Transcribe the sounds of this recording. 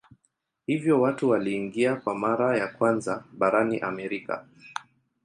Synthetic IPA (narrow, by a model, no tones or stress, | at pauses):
hivjɔwatuwaliːŋɡiakwamaɾajakwanzaɓaɾaniʔamɛɾika̰